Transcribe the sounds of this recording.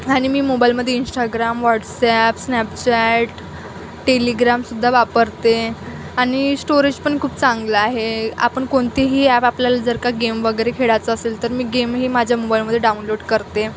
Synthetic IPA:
aɽ̃imiːmobajlməd̪ʱːjeinsʈaɡɾamʋaʈsæpsnɛpt͡ɕæʈ | ʈeliɡɾamsud̪ʱːaʋapəɾt̪e | aɽ̃isʈoɾed͡ʑpəɳkʰuːpt͡sãŋɡləaɦea̰pəɳkoɳt̪iɦiːæpapljalad͡zəɾkaɡemʋəɡəjɾekʰeɭat͡səːselt̪əɾmiːɡemɦiːmad͡ʑʱjamobajlməd̪ʱjeɖaunloɽkəɾt̪e

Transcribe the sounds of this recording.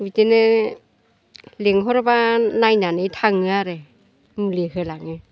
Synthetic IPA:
witenɯ | leŋɦɔɾɔbanajnanɯjtʰaŋɯaɾe | mulihɯlaŋɯ

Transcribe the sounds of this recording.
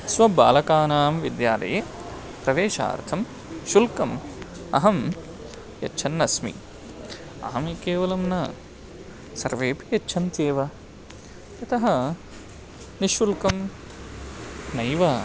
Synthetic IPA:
sʋɐbaːlɐkaːnaːmʋid̪jaːlɐ̰je | pɾɐʋeːʃa̰ːɾt̪ʰɐm | ʃulkɐmɐ̰ɦɐm | jɐ̰tːt͡ʃʰɐnːɐsmḭ | ɐ̰ɦɐmikeːʋɐlɐmnɐ | sɐɾʋeːpijɐtːʃʰɐnt̪eːʋɐ | t̪ɐt̪ʰɐɦɐ | niʃulkɐm | nɐjʋɐ

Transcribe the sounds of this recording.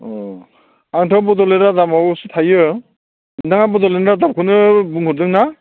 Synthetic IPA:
ɔ | aŋtʰawbɔdɔleɾadamawsɯtʰajɯ | ndaŋabɔdɔlenɾadam̚kʰɯnɯbuŋhɯɾdɯŋna

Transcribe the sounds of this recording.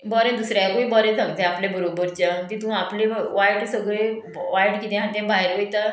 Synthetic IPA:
bɔːɾẽːd̪ʊsɾekoːiːbɔːɾẽːt̪ʰəŋd̪ẽaːpleːbəɾoːbəɾt͡ʃat̪it̪ũaːpleːʋaːɪɖsəɡɾeː | ʋaːiɖkit̪ẽãnt̪ẽẽbaːɪɾɪt̪ã

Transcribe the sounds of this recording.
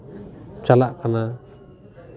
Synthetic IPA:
t͡ʃalaʔkʰana

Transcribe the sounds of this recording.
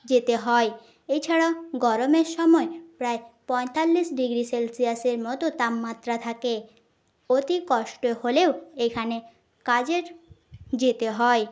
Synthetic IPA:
d͡ʑet̪eɦɔe | et͡ɕʰaɽaoɡɔɾomeɾʃɔmɔepɾaepɔjt̪alːiʃɖiɡɾiselsiaseɾmɔt̪ot̪amːat̪ːɾat̪ʰake | ot̪ikɔʃʈoholeoekʰane | kad͡ʑeɾ | d͡ʑet̪eɦɔe

